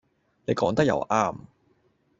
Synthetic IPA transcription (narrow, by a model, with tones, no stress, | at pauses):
ne˨˧jkɔː˨˥ŋt̪ɐ˥k̚jɐ̰˨˩wʔaː˥˩m